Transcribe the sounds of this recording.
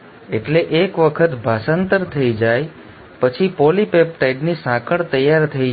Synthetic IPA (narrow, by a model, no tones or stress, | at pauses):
eʈleʔekʋəkʰət̪bʱasənt̪əɾt̪ʰəid͡ʒaj | pət͡ʃʰipolipep̚ʈajɖnisãkʰəɽt̪əjːaɾt̪ʰəi